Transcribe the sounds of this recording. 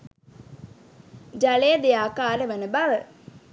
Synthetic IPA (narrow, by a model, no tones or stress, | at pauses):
d͡ʒalejəd̪ejaːkaːɾəʋenəbaʋə